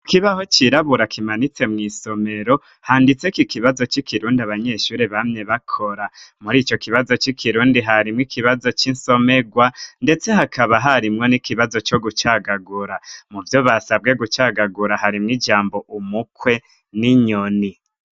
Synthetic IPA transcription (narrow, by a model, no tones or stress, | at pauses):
kiβaho̞t͡ʃiɾaβuɾakʰimanit͡se̞mŋiːso̞me̞ɾo̞ | haːndit͡se̞kikiβazo̞t͡ʃikʰiɾuːndiaβaɲe̞ʃuːɾiβamɲe̞βakʰo̞ɾamuɾiːt͡ʃo̞kiβazo̞t͡ʃikʰiɾuːndiɦaɾimŋikʰiβazo̞t͡ʃinso̞me̞ɡwande̞t͡se̞ɦakʰaβaɦaɾimŋo̞nikʰiβazo̞t͡ʃo̞ɡut͡ʃaɡaɡuɾamuvjo̞βasabɡe̞ɡut͡ʃaːɡaɡuɾaɦaɾimŋid͡ʒaːmbo̞ʔumukwe̞ | niɲoni